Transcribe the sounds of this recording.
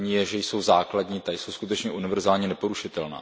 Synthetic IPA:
ɲiːjɛʒɛjso̞wzaːkladɲiːt̪ajso̞wskut̪ɛt͡ʃɲɛʔunɪvɛɾzaːlɲɛnɛpo̞ɾuʃɪt̪ɛlna̰ː

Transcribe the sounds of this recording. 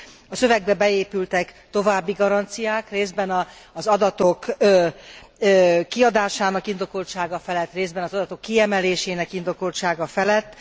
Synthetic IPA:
ɒsø̞vɛɡ̚bɛbɛeːpylt̪ɛkt̪o̞vaːbːiɡɒɾɒnt̪sijaːkreːzd̪̚bɛnɒːzɒd̪ɒt̪o̞k | kːiɒd̪aːʃaːnɒkind̪o̞kolʃaːɡɒfɛlɛt̪ːreːzd̪bɛnɒzɒd̪ɒt̪o̞kːiɛmɛleːʃeːnɛkind̪o̞kolt͡ʃaːɡɒfɛlɛt̪ː

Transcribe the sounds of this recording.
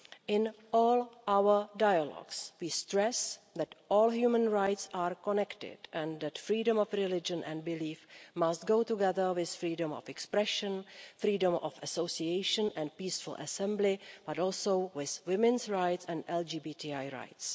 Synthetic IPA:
ʔɪ̃n | ɔːlʔawə˞dajalɔ̰ɡswiːstɹɛsðɛtʔɔːlɦjuːmə̃nɹajtsaːɹkɔnɛktɪ̰dʔɛ̃nðɛtfɾiːdə̃mɔfɹɪlɪd͡ʒə̃nʔɛ̃nd̚bɪliːfmast̪̚ɡowtuɡɛðə˞wɪsfɹiːdə̃mɔ̰fɛkspɾɛʃə̃nfɾiːdə̃mʔɔ̰fəsowsiejʃə̃nʔɛ̃nt̚piːsfʊl̩ʔə̰sɛ̃mblɪb̥atɔːlˠsowwɪzwɪmɪ̃nsɹajtsɛ̃ntɛld͡ʒiːbiːtʰiːajɹa̰jts

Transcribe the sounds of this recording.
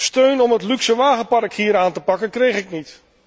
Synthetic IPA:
støɥnɔmɦətlyksəʋaːχəpɑrkhiːɾaːntəpɑkənkrejχɪknit

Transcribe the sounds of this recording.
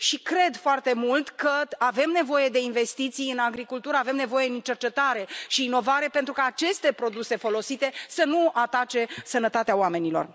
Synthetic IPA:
ʃikɾe̞d̪foart̪e̞mult̪kəave̞mne̞vo̞je̞d̪e̞inve̞st̪it̪sijɨnaɡɾikult̪uɾəave̞mnevo̞je̞d̪int͡ʃe̞rt͡ʃe̞t̪aɾe̞ʃiːno̞vaɾe̞pe̞nt̪ɾukaːt͡ʃe̞st̪e̞pɾo̞d̪use̞fo̞lo̞sit̪e̞sənuat̪at͡ʃe̞sənət̪at̪eawame̞nilo̞̰r

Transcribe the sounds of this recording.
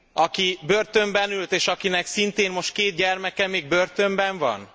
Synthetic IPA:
ɒkibørt̪ø̞mbɛnylt̪eːʃɒkinɛksint̪eːnmo̞ʃt̪̚keːt̪̚ɟɛrmɛkɛmeːɡ̚børt̪ø̞mbɛɱvɒ̰n

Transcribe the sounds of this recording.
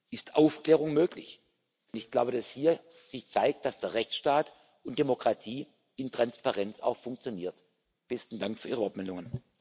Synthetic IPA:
ʔɪstʰʔaʊfkleːʁʊŋmøːklɪ̰ç | nɪçɡ̥laʊbədashiːɐ | z̥ɪçt͡saɪk̚t̚d̥asd̥eːɐʁɛçt͡sʃtaːt | ʊnt̚d̥emokʁ̥atʰiː | ɪntʁ̥anspaʁɛnt͡sa̰ʊxfʊŋk̚t͡sjoniːɐt | b̥ɛstn̩daŋkfyɐiːʁəɔɐtmɛldʊŋən

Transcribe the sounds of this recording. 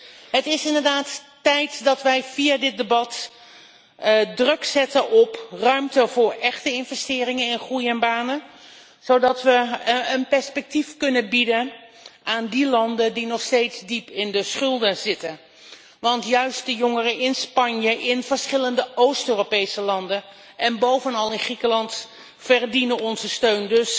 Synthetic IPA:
ɦətɪsɪndəɹdaːtː | ɛjtdɑtʋɛjv̥iadɪt̚dəbɑt | drɵksɛtəʔɔprœɥmtəvʊːɹɛχtəɪnvɛstɪːɾɪŋənɪnχrujənbaːnə | z̥owdɑtʋəːnpɛɹspɛk̚tifkɵnənbidən | ʔaːndilɑndədinɔχstejtzdipɪndəsχɵlˠdəzɪtən | ʋɑntjœɥst̚dəjɔŋərəʔɪnspɑɲjəʔɪnv̥əɹsχɪləndəowstøːropejsəlɑndən | ɛnbowvənɑlˠɪnχrikəlɑnt | fərdinənɔnzəstøɥndɵs

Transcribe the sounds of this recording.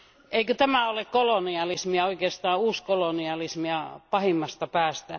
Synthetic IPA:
eikøt̪æmæolekkoloniɑlismiɑoikeːst̪ɑːuːskoloniɑlismiɑpɑhimːɑst̪ɑpæːst̪æ

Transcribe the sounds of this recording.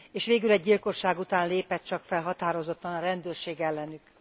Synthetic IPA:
eːʃʋeːɡylɛɟːilko̞ʃːaːɡut̪aːnleːpɛt̪̚t͡ʃɒkfɛlɦɒt̪aːɾo̞zo̞t̪ːɒnɒɾɛnd̪øːrʃeːɡɛlːɛnyk

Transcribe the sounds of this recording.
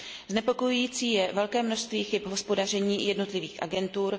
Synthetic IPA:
znɛpo̞ko̞jujiːt͡siːjɛvɛlkɛːmnoʃst̪viːxɪpɦo̞spo̞dar̝ɛɲiːjɛdno̞t̪lɪviːxʔa̰ɡɛnt̪uːɾ

